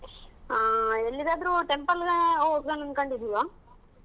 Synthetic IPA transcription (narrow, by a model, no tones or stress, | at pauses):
elːid̪aːd̪ɐɾuʈempɐlɡɐookɾɐnɐnkɐɳɖid̪ijaː